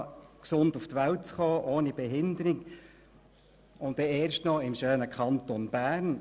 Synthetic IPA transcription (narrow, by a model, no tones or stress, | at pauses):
ksʊnduft̪ʋæwt̚t͡sχoːʔoːnib̥ɛɦɪndəɾik | ʊntɛeːɾʃtnɔɪmʃøːnəkʰɑnt̪ɔnb̥æːɾn